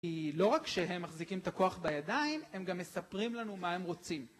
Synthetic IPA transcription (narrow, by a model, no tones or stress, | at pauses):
ilo̞ʁakʃeɦe̞mːaχzikimet̪ako̞aχbajad̪aime̞mɡamːe̞sapʁimlanumae̞mʁo̞t͡sim